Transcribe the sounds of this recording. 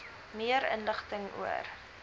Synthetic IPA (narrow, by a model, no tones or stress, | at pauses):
miəɾə̰nləχtəŋṵə̰r